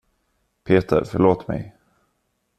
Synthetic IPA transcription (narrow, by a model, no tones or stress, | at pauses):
pʰeːt̪ʰə̰ɾfœɭoːt̪mɛ̰j